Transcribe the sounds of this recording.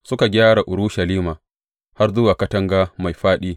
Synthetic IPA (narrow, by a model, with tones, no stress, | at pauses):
sʊ˦ka˨ɡʲaː˦ɽa˨ʔʊ˨ɽʊ˦ʃɐ˨liː˦maː˨ | ha˦rdʊ˦waː˨kɐ˦tɐ˦ŋɡaː˦ma˨jɸaː˦ɗiː˦